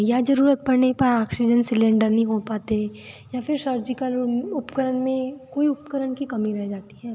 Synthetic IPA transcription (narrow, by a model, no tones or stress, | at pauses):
jad͡ʒɐɾuːɾət̪̚pɐɾnepɐɾaːksɪd͡ʒənsɪlẽːɳɖəɾnɐɦĩɦopaːt̪ejafʰɪɾsəɾd͡ʒɪkəlʊpkəɾənmẽkoːiʊpkəɾənkikɐmiɾɛɦd͡ʒaːt̪iɦɛː